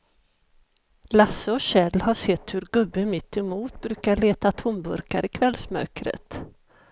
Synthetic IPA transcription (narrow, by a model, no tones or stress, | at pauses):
lasːəɔɕɛlːhaʂɛt̪ːhɵɾɡɵbːəmɪt̪ʰːɛmuːt̪bɾʉ̟ːkaɭeːt̪at̪ʰʊmbɵ̰ɾka̰ɾɪkʰvɛlːsmœ̰kɾə̰t̪